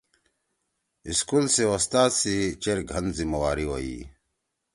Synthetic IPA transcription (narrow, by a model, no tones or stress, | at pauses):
iskulsewost̪aːt̪sit͡ɕeɾɡʱɐnzimɐwaːɾiwoḭ